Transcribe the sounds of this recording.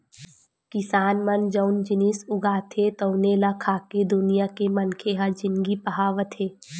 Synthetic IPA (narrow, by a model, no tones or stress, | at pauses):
kɪsaːnmənd͡ʒəʊnd͡ʒɪnisʊɡaːt̪ʰet̪əʊneːlakʰaːked̪ʊnijakemɐnkʰeɦad͡ʒɪnɡipɐɦaːʋət̪ʰeː